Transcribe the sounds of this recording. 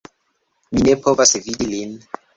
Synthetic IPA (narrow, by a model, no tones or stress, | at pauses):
minepʰovasvidilin